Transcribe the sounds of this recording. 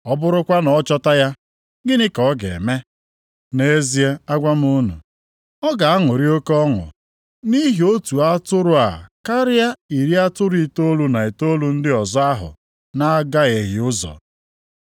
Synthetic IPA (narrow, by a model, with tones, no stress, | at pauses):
ɔ˦bʊ˦ɾʊ˦kʷa˦nɔ˨˦t͡ʃɔ˦ta˦ja˦ | ɡɪ˦nɪ˦kɔ˨˦ɡḛ˨me˦ | ne˦e˦zi˦e˦a˦ɡʷa˦m˦ʊ˦nṵ˨ | ɔ˦ɡa˨a˦ŋʊ˨ɾi˦o˦kɔ˦ŋʊ̰˨ | ni˦ɦi˨o˦tu˨a˦tʊ˦ɾʊ˦a̰˨ka˦ɾɪ˦a˦i˨ɾi˦a˦tʊ˦ɾi˦˨to˦lu˦na˨e˨to˦lu˦n̩˦dɪ˦ɔ˨zɔ˦a˦ɦʊ̰˨ | na˦ɡa˦ɣe˨ɦɪ˨ʊ˦zɔ̰˨